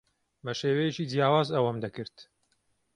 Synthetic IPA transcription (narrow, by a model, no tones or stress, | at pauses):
bɐʃeːwɐjet͡ʃiːd͡zjaːwaːzɐwɐmd̪ɐkɨɾt̪